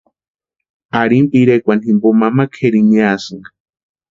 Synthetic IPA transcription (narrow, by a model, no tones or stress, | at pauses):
aɾimpiɾekʷanimbomamakʰeɾiɲiasɨŋɡa